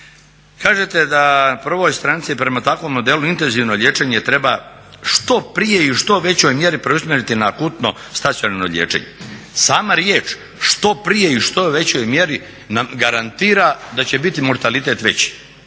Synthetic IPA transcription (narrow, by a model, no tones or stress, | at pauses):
kaːʒet̪e̞d̪aprʋo̞jst̪ɾant̪sipɾe̞mat̪akʋo̞mːo̞d̪e̞luint̪e̞nziʋnoʎʲe̞ːt͡ʃeɲet̪ɾe̞ba | ʂt̪o̞pɾije̞iʃt̪o̞ʋe̞t͡ɕo̞jmje̞ɾipɾeusmjeɾit̪inaːkuːt̪no̞st̪at̪sʲjonano̰ʎʲeːt͡ʂḛɲḛ | saːmaɾjeːt͡ʂ | ʃt̪o̞pɾije̞iʃt̪o̞ʋe̞t͡ɕojmje̞ɾi | namɡaɾant̪iːɾad̪at͡ɕe̞bit̪imo̞ɾt̪alit̪e̞ːt̪ʋe̞̰t͡ɕi̥